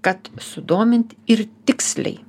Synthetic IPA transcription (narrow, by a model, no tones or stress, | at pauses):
kɐt̪sʊd̪oːmʲɪnʲt̪ʲɪɾt̪ʲɪksʲlʲɛ̰ɪ